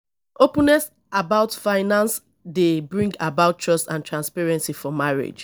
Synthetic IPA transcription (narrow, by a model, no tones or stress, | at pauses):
opũnɛs | abaʊtfaɪnãns | debɹĩŋɡabaʊt̚tʰːɹɔstãntʰɹãnspɛɹɛ̃nsifɔmaɹḛd͡ʒ